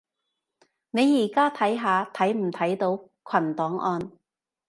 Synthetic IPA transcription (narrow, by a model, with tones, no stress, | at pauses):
ne˨˧jjiː˨˩kaː˥t̪ʰɐ˨˥jɦaː˨˧t̪ʰɐ˨˥jm̩˨˩t̪ʰɐ˨˥jt̪o˨˥w | kʰɐ˨˩nt̪ɔː˨˥ŋʔɔː˧n